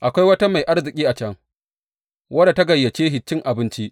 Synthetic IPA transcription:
ʔa˨kʷa˦jwɐ˦ta˦ma˨jʔa˦ɽzɪ˨kʲʼiː˦ʔa˨t͡ʃɐ˦ŋ | wʔɐ˦da˨tɐ˦ɡɐ˨jːɐ˨t͡ʃeː˦ɦɪ˨t͡ʃːɪ˦ŋʔa˨bɪ˦nt͡ʃi˦ʔ

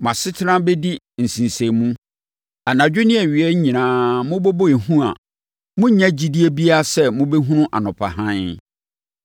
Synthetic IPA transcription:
mã˨sɪ˦tʰɪ˦ɾã˦be˦di˦ | n̩˨sĩ˨n˨sẽ˨mũ˦ | a˨nã˨d͡ʑᶣʊ˦nɪ̃˦ɛ˨ɥi˨ɛ˦ɲĩ˨nãː˦mʊ̃˦bo˦bo˦e˨hũ˦a̰˨ | mʊ̃˦ɲã˦d͡ʑi˨˦di˦e˦bi˦a˦sɛ˦mʊ̃˦be˦ɦũ˦nʊ̃˦ʔa̰˨nʊ̃˨pʰa̰˨ɦã˦

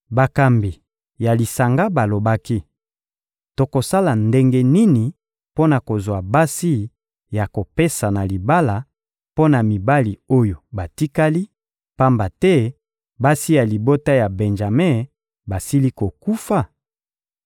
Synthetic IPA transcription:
ba˨ka˨mbi˨ | ja˨li˨sa˨ŋɡa˦ba˨lo˨ba˦ki˦ | to˨ko˨sa˦la˨nde˦ŋɡe˦ni˦ni˨ | po˦na˨ko˨zwa˨ba˦si˦ | ja˨ko˨pe˦sa˨na˨li˨ba˦la˨ | po˦na˨mi˨ba˦li˨o˦jo˨ba˨ti˦ka˦li˦ | pa˦mba˨tɛ˦ | ba˦si˦ja˨li˨bo˦ta˦ja˨bɛ˨nʒa˨mɛ˦˨ | ba˨si˦li˦ko˨ku˦fa˦

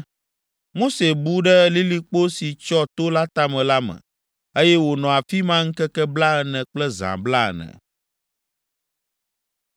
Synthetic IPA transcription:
mo˦se˨bu˦ɖɛ˦li˦li˦k͡po˦si˨t͡ʃɔ˦t̪o˦la˦t̪a˦mɛ̃˨la˦mɛ̰̃˨ | e˦jɛ˦wo˨nɔ̃˨a˨fi˦mã˦ŋ̩˦kɛ˦kɛ˦bla˦ɛ˨nɛ̃˨k͡plɛ˦zã̰˨bla̰˦˨nɛ̰̃˨

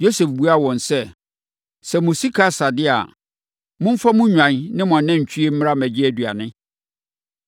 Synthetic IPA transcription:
jo˦sɛ˨fbu˦a˦˨wɔ̃˨nsɛ˦ | sɛ˨mʊ̃˨si˦kʰa˦sa˨dɪ˦a̰˨ | mʊ̃˦m̩˦fa˦mʊ̃˦ɲᶣã˨nnɪ̃˦mʊ̃˨nã˦ɲ̩˨t͡ɕʰᶣi˦e˦m̩˦m̃˦a˦mæ˨d͡ʑɪ˦æ˦˨dɥa̰˨nɪ̃˦

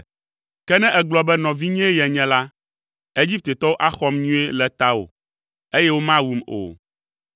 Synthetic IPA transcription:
kɛ˦nɛ̃˦ʔɛ˨ɡ͡blɔ˨bɛ˦nɔ̃˨vi˦ɲɛ̃˦jɛ˨ɲɛ̃˦la˦ | e˦d͡ʑi˦p̚t̪e˨t̪ɔ˦wo˦ʔa˦xɔ˦mɲũ˦e˦lɛ˨t̪a˦o̰˨ | e˦jɛ˦wo˦mã˦wu˨mo̰˨

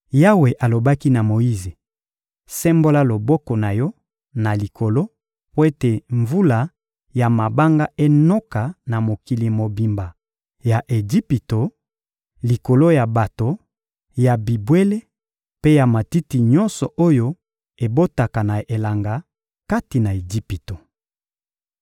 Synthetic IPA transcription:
ja˦we˨ʔa˨lo˨ba˦ki˦na˨mo˨ji˦ze˨ | sɛ˦mbo˦la˦lo˨bɔ˦kɔ˨na˨jɔ˦ | na˨li˨kʰo˨lo˦ | po˦e˦te˨ɱvu˦la˨ | ja˨ma˨ba˦ŋɡa˦ʔe˦nɔ˦ka˨na˨mo˨ki˨li˨mo˨bi˨mba˨ | ja˨ʔe˨ɡi˦pi˨to˨ | li˨ko˨lo˦ja˨ba˨to˨ | ja˨bi˨bwe˦le˦ | pe˦ja˨ma˨ti˦ti˨ɲɔ˦nsɔ˨ʔo˦jo˦ | e˨bo˦ta˨ka˨na˨e˨la˨ŋɡa˨ | ka˦ti˨na˨e˨d͡ʒi˦pi˨to˨

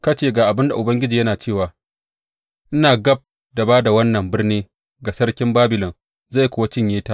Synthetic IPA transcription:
kɐ˦t͡ʃeː˦˨ɡaː˨ʔa˨bɪ˦nda˨ʔʊ˨bɐ˦ŋɡʲɪ˦d͡ʒiː˨jɐ˦naː˨t͡ʃeː˦˨waː˨ | ʔɪ˦naː˨ɡɐ˦b̚ | da˨baː˦da˨wɐ˦nːɐ˨mbɪ˦rniː˦ | ɡa˨sɐ˦ɽkʲɪ˦mbaː˦bɪ˨lɔ˨ŋ | za˦˨jkʷʊ˨wa˦t͡ʃɪ˦˨ɲjeː˦taː˦

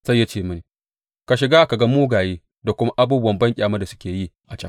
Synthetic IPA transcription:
sa˦jːa˦t͡ʃeː˦˨mɐ˦niː˨ | ka˨ʃɪ˨ɡaː˦ka˨ɡa˦muː˦ɡaː˨jeː˦ | da˨kʷʊ˦ma˦ʔa˦buː˦bʊ˦wɐ˨mbɐ˦ŋkʲʼaː˨mɐ˦da˨sʊ̥˦kʲeː˨ji˦˨ʔa˨t͡ʃɐ˦

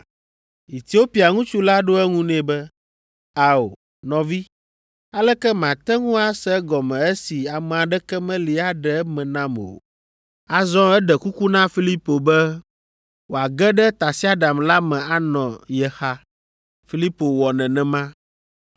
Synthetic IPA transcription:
i˨t̪i˨˦wo˦pi˨a˨ŋũ˦t͡ʃu˦la˦ɖo˦ɛ˦ŋũ˦nɛ̃˦bɛ˦ | a˨o̰˨ | nɔ̃˨vi˦ | a˦lɛ˦kɛ˦mã˨t̪ɛ˦ŋũ˦a˦sɛ˦ɡɔ˨mɛ̃˨ɛ˦si˨a˨mɛ̃˨a˨ɖɛ˦kɛ˦mɛ̃˦li˨a˦ɖɛ˨˦mɛ̃˨nã˦mo̰˨ | a˨zɔ̃˦ɛ˦ɖɛ˨ku˦ku˦nã˦fi˦li˦po˨bɛ˦ | wo˨a˨ɡɛ˦ɖɛ˦t̪a˨si˦a˦ɖa˨mla˦mɛ̃˨a˦nɔ̃˨jɛ˨xa˦ | fi˦li˦po˨wɔ˨nɛ̃˨nɛ̃˨mã˦

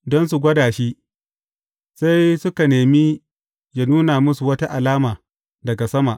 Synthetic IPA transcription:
dɔ˦ns̬u˨ɡʷɐ˦daː˨ʃi˦ | sa˦jsʊ˦ka˨neː˨mi˦ | d͡ʒɐ˨nuː˦naː˨mʊ˦su˨wɐ˦ta˦ʔa˨laː˦maː˨ | dɐ˨ɡa˨sɐ˦ma˨ʔ

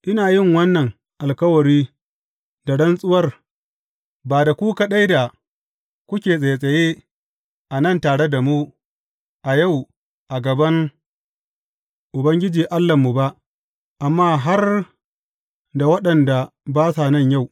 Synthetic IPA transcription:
ʔɪ˦naː˨jɪ˦˨ŋwɐ˦nːɐ˨ŋ | ʔa˨lkɐ˦wɐ˨ɽiː˦ | da˨ɽɐ˦nsʼʊ˦wɐ˦r | baː˨da˨kʷu˦ka˦ɗa˦jda˨ | kʷʊ˦kʲeː˨sʼɐ˨jsʼɐ˨je˦ | ʔa˨nɐ˦˨ntaː˨ɽe˦da˨mu˦ | ʔa˨ja˦˨w | ʔa˨ɡɐ˨bɐ˦ŋ | ʔʊ˨bɐ˦ŋɡʲɪ˦d͡ʒiː˨ʔa˦lːa˨mːu˨ba˦ʔ | ʔa˨mːaː˦ɦa˦r | da˨wɐ˦ɗɐ˨nda˨ | baː˦sa˨nɐ˦˨ɲja˦˨w

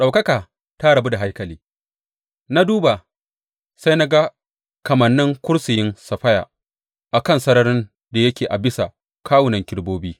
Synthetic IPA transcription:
ɗa˨wkɐ˦kaː˨ | ta˦ɽɐ˨bu˦da˨ɦa˦jkɐ˨liː˦ | na˦duː˦ba˨ | sa˦jna˦ɡa˦ | kɐ˨mɐ˨nːɪ˦ŋkʷʊ˦ɽsɪ˨jɪ˦nsɐ˨ɸɐ˦ja̰ː˨ | ʔa˨kɐ˦˨nsɐ˦nɐ˦ɾɪ˦n | da˨jɐ˦kʲeː˨ʔa˨bɪ˦sa˨ | kʰaː˦wʊ˨nɐ˨ŋkʲɪ˦ɽboː˦biː˦

